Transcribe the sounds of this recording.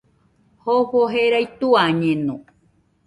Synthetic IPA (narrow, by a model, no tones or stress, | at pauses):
hoɸoɦeɾajt̪uaɲẽnũ